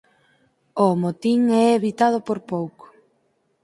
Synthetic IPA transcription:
omot̪iŋɛeβit̪að̞ʊpoɾpowko̥

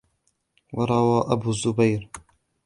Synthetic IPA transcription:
wɑɾˤɑwaːʔabuːzːʊbajɾ

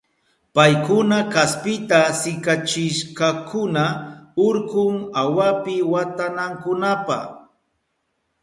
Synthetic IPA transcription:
pajkʊnakaspɪt̪asɪkat͡ʃɪʃkakʊnaʊɾkʊŋawapɪwat̪anaŋkʊnapa̰χ

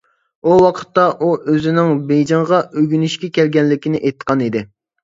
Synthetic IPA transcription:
uwɑqʰə̥t̪ːɑʔuʔøzɪnɪŋbejd͡ʒɑɴʁɑʔøɡʲynyʃkʲɛkʲʰɛlɡʲɛnlɪkʲinɪʔejt̪ʰːqʰɑnid̪ɪ

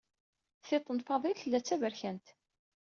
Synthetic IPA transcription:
θet̪ˤːənfɑðˤilθəlːæt͡sːævəɾçænt̪

